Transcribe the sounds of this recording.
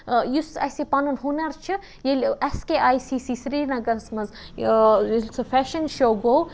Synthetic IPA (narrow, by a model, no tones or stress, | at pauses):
jusɐ̰sipɐnunɦunɐɾt͡ʃʰɨ | jelʲɐskeʔaːisiːsiːsɾiːɾnɐɡɐnsmɐz | jlʲsʰɨfɛːʃɐnʃoɡow